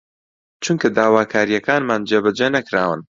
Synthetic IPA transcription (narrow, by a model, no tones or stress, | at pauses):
t͡ʃʰuŋkɐd̪aːwaːkʰaːɾijɐkaːnmaːnd͡ʒeːbɐd͡ʒenɐkɾaːwɨ̰n